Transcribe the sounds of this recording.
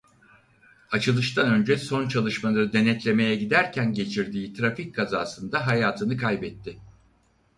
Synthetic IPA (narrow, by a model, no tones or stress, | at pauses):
at͡ʃʰɯlˠɯʃt̪ʰanø̞nd͡ʒɛso̞nt͡ʃʰalˠɯʃmalˠaɾɯd̪e̞nɛt̪lʲe̞me̞jɛɟid̪æɾcʰænɟe̞t͡ʃʰiɾd̪iːt̪ʰɾafickʰaza̰ːsɯnd̪aɦajaːt̪ʰɯnɯkʰajbɛt̪ʰːɪ